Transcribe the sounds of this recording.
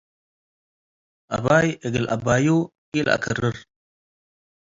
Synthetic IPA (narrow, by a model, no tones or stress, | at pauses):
ʔa̰bajəɡəlʔa̰baju | ila̰kʰəɾəɾ